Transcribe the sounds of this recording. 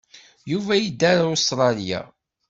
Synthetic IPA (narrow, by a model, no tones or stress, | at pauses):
juvæjid̪ːæɾˤaost̪ɾˤɑlija̰